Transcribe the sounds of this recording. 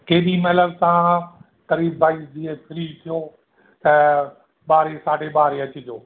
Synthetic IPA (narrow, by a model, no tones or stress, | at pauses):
keːbimɐɦləbt̪aã | t̪ɐɾiːbbaːiːsd͡ʑɪɦepʰɪɾiːt̪ʰijo | t̪ɐ | ɓaːɾesaːɖebaːɾeɐt͡ɕɪd͡ʑoː